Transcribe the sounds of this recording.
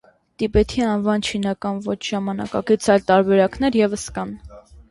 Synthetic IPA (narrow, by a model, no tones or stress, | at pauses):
t̪ipɛt̪ʰiɑnvɑnt͡ʃʰinɑkɑnvɔt͡ʃʰʒ̥ɑmɑnɑ̰kɑ̰ɡit͡sʰɑjlt̪ɑɾbɛɾɑknɛɾjɛvəskɑn